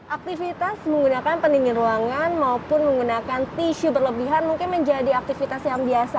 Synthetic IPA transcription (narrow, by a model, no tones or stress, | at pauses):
ʔak̚t̪ifit̪asməŋɡunakanpəndiniɾuaŋanmaopʊnməŋɡunakant̪iʃubərləbiɦanmuŋkɪnməɲd͡ʒadiak̚t̪ifit̪asjaŋbiasa